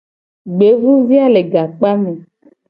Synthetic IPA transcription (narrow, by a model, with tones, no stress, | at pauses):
ɡ͡be˨˦vu˦vi˦a˦le˨ɡa˨k͡pa˦me˨